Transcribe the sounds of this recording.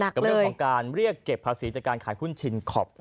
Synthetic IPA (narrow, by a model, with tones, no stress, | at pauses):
na˨˩ka˧mlːʰɔ˩˦kaː˧nɾi˥˩əkːe˨˩pʰːaː˧siː˩˦t͡ɕaː˨˩kːaː˧nkʰaː˩˦jhu˥˩nt͡ɕʰi˧nkʰɔ˨˩p̚